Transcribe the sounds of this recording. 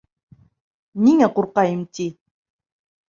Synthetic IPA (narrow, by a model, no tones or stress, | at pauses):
niŋaqoɾqɑjɪmt̪i